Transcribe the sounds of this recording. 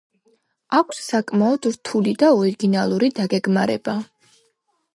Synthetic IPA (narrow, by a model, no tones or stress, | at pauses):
akʷʰssakʼmaɔd̪̥ɾt̪ʰulid̪aɔɾiɡinalˠuɾid̪aɡɛɡmaɾɛ̰ba